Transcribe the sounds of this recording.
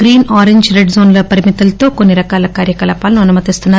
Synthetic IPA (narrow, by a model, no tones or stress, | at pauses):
ɡɾiːnaːɾeɲd͡ʒɾeɖzoːnlɐpɐɾimit̪ɐlɐt̪o̞ːkonːiɾɐkaːlɐkaːɾjɐkɐlaːpaːlɐnuɐnumɐt̪ist̪unːaː